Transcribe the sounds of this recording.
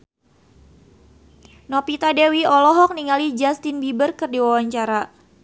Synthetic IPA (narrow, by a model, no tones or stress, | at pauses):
nɔpit̪adewiɔlɔɦɔk̚niŋalid͡ʒast̪inbibərkɨrdiwawaɲt͡ʃaɾa